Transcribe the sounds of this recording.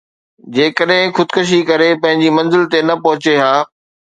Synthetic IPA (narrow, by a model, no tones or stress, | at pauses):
d͡ʑeːkəɗɦɪ̃xʊd̪kʊʃ̬ikɐɾepɐ̃ɦɪ̃ɲd͡ʑimɐ̃nzɪlt̪enɐpɐɦʊt͡ɕeɦaː